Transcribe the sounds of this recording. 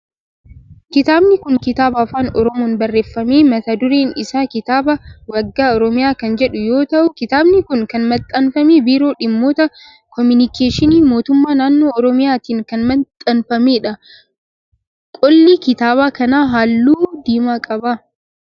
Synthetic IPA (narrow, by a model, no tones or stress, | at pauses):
kɪt̪aːbnɪkʊŋkɪt̪aːbaːfaːnɔ̰ɾɔmoːnbɐrːeːfːɐmeːmɐt̪ɐd̪ʊɾeːnɪsaːkɪt̪aːbɐwɐɡːaːɔɾɔmɪjaːkɐnd͡ʒɛᶑʊjo̞ːt̪ɐʔʊkɪt̪aːbnɪkʊŋkɐnmɐt̪ʼːɐnfɐmeːbiːɾo̞ːᶑɪmːo̞ːt̪ɐ | kɔmɪnɪkeːʃɪniːmo̞ːt̪ʊmːaːnaːnːo̞ːɔɾɔmɪjaːt̪iːŋkɐnmɐnt̪ʼɐnfɐmeːᶑɐ | kʼɔlːiːkɪt̪aːβaːkɐnaːɦaːlːuːd̪iːmaːkʼɐba